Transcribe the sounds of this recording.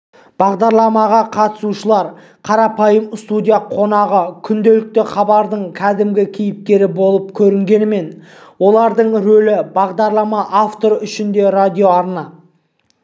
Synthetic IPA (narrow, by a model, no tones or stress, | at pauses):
b̥ɑʁd̪ɑɾlˠɑmɑʁɑqʰɑt̪ə̥suʃəlˠɑɾ | qʰɑɾɑpɑjəmst̪ud̪ʲijaqʰo̞nɑʁəkʲʰʏnd̪e̞lɪk̚t̪ɪχɑbɑɾd̪əɴkʲʰæd̪ɪmɡʲɪkʲʰijɪp̚t̪e̞ɾɪbo̞lˠəp̚kʲʰɵɾɪŋɡʲe̞nɪme̞n | wo̞lˠɑɾd̪əɴɾɵlɪbɑʁd̪ɑɾlˠɑmɑʔaft̪o̞ɾʏʃɪnd̪e̞rad̪ʲijo̞ɑɾnɑ